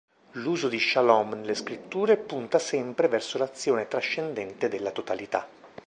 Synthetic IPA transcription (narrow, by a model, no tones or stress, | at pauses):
luːzod̪iʃalɔmnleskɾit̪ːuːɾepunt̪asɛmpɾevɛrsolat̪sːjoːnet̪ɾaʃːend̪ɛnt̪ed̪elːat̪ot̪alit̪a